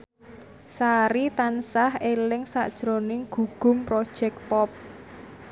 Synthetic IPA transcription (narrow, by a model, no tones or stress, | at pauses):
saɾit̪ansahelɪŋsaʔd̥ʒ̥ɾonɪŋɡ̥ṳɡ̥ʊ̤mpɾod̥ʒ̥ɛk̚pɔp̚